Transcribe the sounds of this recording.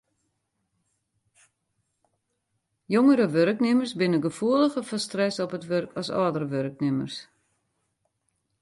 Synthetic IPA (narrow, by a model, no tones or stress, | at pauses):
joŋəɾəʋøɾknɪmərsbɪnəɡəfuəlˠəxəfɔstrɛsɔpətʋørkʰɔsɔːdəɾəʋørknɪmə̰rs